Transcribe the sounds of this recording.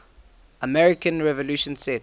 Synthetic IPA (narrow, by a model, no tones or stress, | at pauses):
əmɛɹɪkə̃nɹɛvɔluʃə̃nsɛt